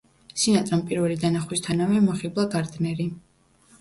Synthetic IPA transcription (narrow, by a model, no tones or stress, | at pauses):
sinat̪ʼɾampʼiɾvɛlid̪anaχwist̪ʰanavɛmɔχiblˠaɡaɾd̪nɛɾi